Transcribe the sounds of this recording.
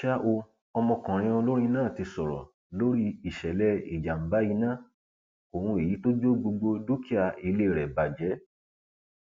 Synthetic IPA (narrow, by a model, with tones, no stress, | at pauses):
ʃa˦ʔo˧ | ɔ˧mɔ̃˧kɔ̃˨ɾ̃ĩ˧o˧lo˦ɾ̃ĩ˦˧nãː˦˨ti˧sɔ˨ɾɔ̰˨ | lo˦ɾi˦i˨ʃɛ˨lɛ˦i˨d͡ʒa˨m̩˨ba˨˦ji˧˦nãː˦˨ | o˨hũ˧e˨ji˨˦to˦d͡ʒo˦ɡ͡bo˧ɡ͡bo˧du˦ki˦a˧˨i˧le˦˨ɾɛ˨ba˨d͡ʒɛ˨˦